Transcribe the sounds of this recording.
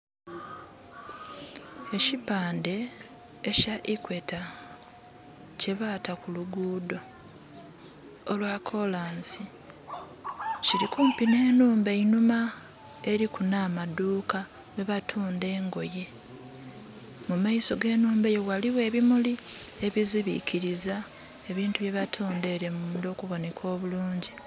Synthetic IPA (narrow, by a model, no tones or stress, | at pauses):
e̞cipaːnde̞ː | caʔikwe̞ta | ce̞βaːtakuluɡuːdo̞ | lwakʰo̞laːnsi | ciɾikuːmpine̞ːnuːmbeinuma | e̞ɾikunaːmaduːka | βeβatʰuːnde̞ːŋɡo̞je̞ | mumaiso̞ɡe̞ːnuːmbejowaliwe̞ːβimulie̞βiziβḭciɾiza | e̞βiːntuβje̞βatʰoːnde̞ɾe̞mundo̞ːkuβo̞ne̞kʰo̞ːβuluːɲɟi